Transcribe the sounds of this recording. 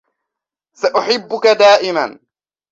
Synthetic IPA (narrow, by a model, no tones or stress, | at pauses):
saʔʊħɪbːʊkad̪aːʔɪman